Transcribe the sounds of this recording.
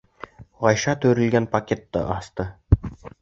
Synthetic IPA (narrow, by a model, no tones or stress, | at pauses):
ʁɑjʃɑt̪ɵ̆ɾɘ̆lɡænpɐkʲet̪ːɤ̰ʔɑst̪ɤ